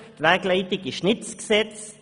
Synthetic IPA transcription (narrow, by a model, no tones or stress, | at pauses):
t̪ʋæɡleɪt̪ɪkiʃnɪt̪sɡsɛt̪s